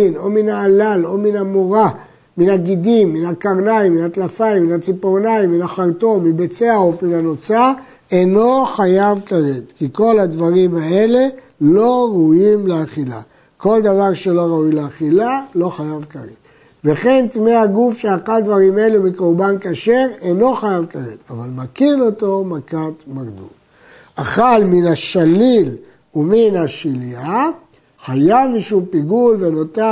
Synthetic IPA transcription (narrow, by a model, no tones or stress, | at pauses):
ino̞minaːlalo̞minamoʁa | minaɡid̪imːinakaʁnaimːinat̪lafaimːinat͡sipoʁnaimːinaχaʁt̪o̞mibet͡seaofminano̞t͡sa | eno̞χajavkaʁet̪kiko̞lhad̪vaʁimae̞le̞ | lo̞ʁaujimleaχila̰ | ko̞ld̪avaʁʃe̞lo̞ʁaujleaχilalo̞χajavkalet̪ | veχe̞nt̪mehaɡufʃeaχald̪vaʁimaelumikoʁbankaʃe̞ʁeno̞χajavkalet̪avalmakino̞to̞makat̪makd̪ṵl | aχalminaʃalil | uminhaʃilia | χajavmiʃumpiɡulvenot̪a